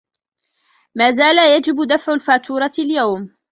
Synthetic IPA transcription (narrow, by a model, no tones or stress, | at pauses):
maːzaːlajad͡ʒɪbd̪afʕalfaːt̪ʰuːɾˤɑljawm